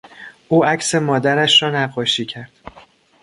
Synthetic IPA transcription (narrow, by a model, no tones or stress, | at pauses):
ʔuːæcʰse̞mɒːd̪æɾæʃɾɒːnæɢːɒːʃiːcʰæɾd̪̥